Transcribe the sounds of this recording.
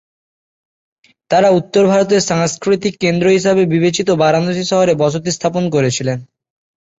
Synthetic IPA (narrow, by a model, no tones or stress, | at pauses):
t̪aɾaut̪ːoɾbʱaɾot̪̬eɾʃaŋskɾit̪ikːend̪ɾoɦiʃabebibet͡ɕit̪obaɾanoʃiʃɔɦoɾebɔʃʰot̪ist̪ʰaponk̬oɾet͡ɕʰilen